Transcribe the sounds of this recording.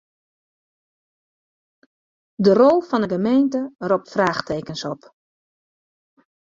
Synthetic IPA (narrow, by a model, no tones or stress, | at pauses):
dərɔlˠfɔnəɡəmejntərɔp̚tfraːxteːkənsɔp